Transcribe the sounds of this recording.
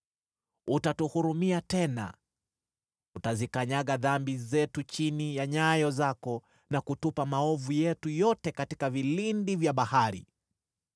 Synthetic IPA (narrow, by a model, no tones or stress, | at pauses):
utatuhuɾumiatɛna̰ | utazikaɲaɠaðambizɛtut͡ʃinijaɲajɔzakɔ | nakutupamaɔvujɛtujɔtɛkatikavilindivjaɓahaɾḭ